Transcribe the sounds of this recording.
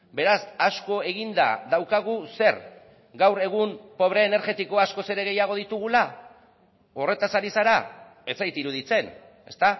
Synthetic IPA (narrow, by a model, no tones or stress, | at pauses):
be̞ɾasasko̞e̞ɣind̪a̰ðawkaɣ̞use̞ɾ | ɡawɾe̞ɣ̞umpo̞β̞ɾe̞ːne̞ɾɣe̞t̪iko̞asko̞se̞ɾe̞ɣ̞e̞jaɣ̞o̞ð̞it̪uɣ̞ula | o̞re̞t̪asaɾisaɾa | e̞t͡sajt̪iɾuð̞it͡se̞n | e̞̰st̪a